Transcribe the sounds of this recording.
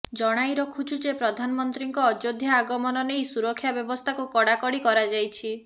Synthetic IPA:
d͡ʒɔɽ̃ajɾɔkʰut͡ʃʰud͡ʒepɾɔd̪ʱanɔmɔnt̪ɾiŋkɔːd͡ʒod̪ʱjaːɡɔmɔnɔnejsuɾɔkʰːjabjɔbɔst̪ʰakukɔɽakɔɽikɔɾad͡ʒajt͡ʃʰi

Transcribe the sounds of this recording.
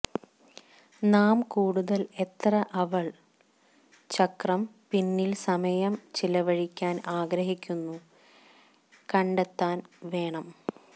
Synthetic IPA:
naːmkuːɽuðɐle̞t̪rɐʔɐʋɐɭ | t͡ɕɐkrɐm | pinːilsɐmɐjɐmt͡ɕilɐʋɐɻikʲːaːnaːɡɾɐɦikʲːunːu | kɐɳɖet̪ːaːnʋe̞ːɳɐm

